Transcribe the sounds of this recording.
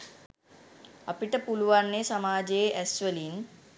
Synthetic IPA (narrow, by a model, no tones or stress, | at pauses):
apiʈəpuluʋanːesamaːd͡ʒejeʔæsʋəlin